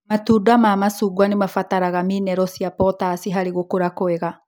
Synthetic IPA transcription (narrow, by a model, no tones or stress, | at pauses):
matuːdamaːmasuɡwanemafataɾaɣamiːnɛɾɔsiapɔtasiɦaɾeɣokoɾakoɛɣa